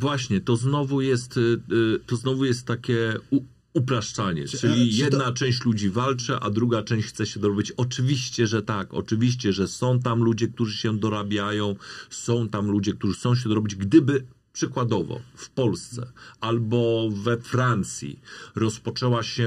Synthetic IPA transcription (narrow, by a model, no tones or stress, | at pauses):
vwaɕɲɛt̪ɔznɔvujɛst̪ː | ɔznɔvujɛst̪ːakʲɛu | upɾaʂt͡ʂaɲɛ̰t͡ʂɘlʲijjɛd̪nat͡ʂɛw̃ɕt͡ɕlud͡ʑivalt͡ʂɛʔa̰d̪ɾuɡat͡ʂɛ̃w̃ɕt͡ɕxt̪sɛɕɛd̪ɔɾɔbʲit͡ɕɔt͡ʂɘvʲiɕt͡ɕɛʐɛt̪akɔ̰t͡ʂɘvʲiɕt͡ɕɛʐɛsɔ̃w̃t̪amlud͡ʑɛk̚t̪uʐɘɕɛd̪ɔɾabʲjajɔ̃w̃sɔ̃w̃t̪amlud͡ʑɛkt̪uʐɘxt̪sɔ̃w̃ɕ̬ɛd̪ɔɾɔbʲid͡ʑɡd̪ɘbɘ | pʂɘkwad̪ɔvɔ̰fpɔlst̪ssɛ̰albɔvɛfɾant̪sʲjḭɾɔspɔt͡ʂɛwaɕɛ